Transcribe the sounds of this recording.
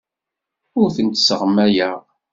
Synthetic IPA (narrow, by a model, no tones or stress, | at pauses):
ʊɾθənt̪səʁəmːæjæ